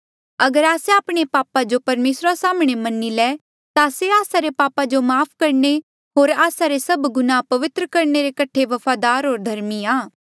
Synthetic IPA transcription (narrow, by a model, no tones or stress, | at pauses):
ɐɡəɾaːsɛaːpɽ̃epaːpad͡ʒopɐɾmeːsɾasaːmɽ̃emɐnːilɛː | t̪aseaːsaɾepaːpad͡ʒomaːpʰkɐɾɳe | ɦoːɾaːsaɾesɐbɡʊnapɐʋɪt̪ɾəkɐɾneɾekɐʈʰeʋɐpʰaːd̪aːɾɦoːɾd̪ʱɐɾmiãː